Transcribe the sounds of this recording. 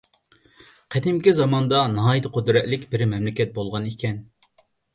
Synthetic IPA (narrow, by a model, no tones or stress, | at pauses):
qʰɛd̪ɪmkʲizɑmɑnd̪ɑnɑɦːjit̪ɨqʰod̪ɾɛt̪lɪkʲbɪɾmɛmlɪkʲɛt̪̚bolˠʁɑnikʲɛn